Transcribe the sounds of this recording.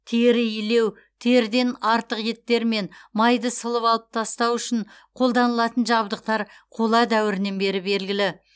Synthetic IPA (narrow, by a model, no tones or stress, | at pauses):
t̪ʰeɾɪjile̞w | t̪ʰeɾd̪e̞nɑɾt̪əqje̞t̪ːe̞ɾme̞nmɑjd̪əsəlˠəpɑlˠəp̚t̪ʰɑst̪ɑwʏʃɪn | qʰo̞lˠd̪ɑnəlˠɑt̪ənʒɑbd̪əq̚t̪ɑɾ | qʰo̞lˠɑd̪æwɪɾɪne̞nbe̞ɾɪbe̞lɡʲɪlɪ